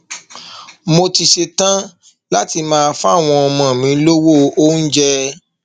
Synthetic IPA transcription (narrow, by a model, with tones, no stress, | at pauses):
mo˧ti˧ʃe˧tã˦ | la˦ti˧mãː˦˧fa˦a˦˨w̃ɔ̃˧ɔ˧mɔ̃˨mĩ˨˦lo˦wo˦o˦n̩˦d͡ʒɛ˦